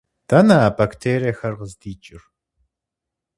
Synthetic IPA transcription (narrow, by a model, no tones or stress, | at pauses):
d̥ʰɐnɐːbaktʰeːɾijɐxɐrʁəzdiːt͡ʃʼɪr